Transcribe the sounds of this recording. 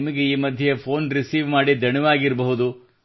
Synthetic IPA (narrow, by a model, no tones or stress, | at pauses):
mɐɡe̞iːmɐd̪ʱjepʰo̞ːnɾisiːʋmaːɽid̪ʱɐɳɛʋaːɡiɾbɐɦud̪u